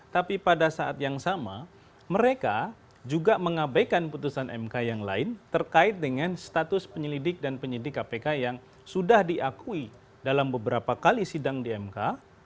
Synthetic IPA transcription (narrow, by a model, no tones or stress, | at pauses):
t̪apipadasaa̰t̪jaŋsama̰ | məɾeka | d͡ʒuɡaməŋabajkanput̪usanʔɛmkajaŋla̰ɪnt̪ərkaɪt̪̚dəŋanst̪at̪ʊspəɲəlidɪk̚danpəɲidɪkːapekajaŋ | sudahdiʔakui | dalambəbəɾapakalisidaŋdiɛmka